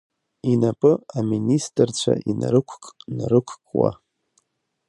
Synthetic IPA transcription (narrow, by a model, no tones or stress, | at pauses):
inapʼɨaministʼɨrt͡ɕʷʰa̰ʔinaɾɨkʷʰkʼnɨɾɨkʷʰkʼwa̰